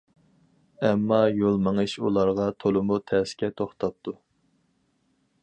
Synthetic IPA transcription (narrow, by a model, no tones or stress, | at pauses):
ɛmːɑjolˠməŋɨʃulˠɑɾʁɑt̪ʰolˠɨmut̪ʰɛːsɪ̥kʲɛt̪ʰoχt̪ʰɑp̚t̪ʰu